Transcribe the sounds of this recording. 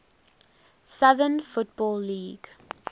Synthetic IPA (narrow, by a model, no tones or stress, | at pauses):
saðənfʊtb̥ɔːlːiːɡ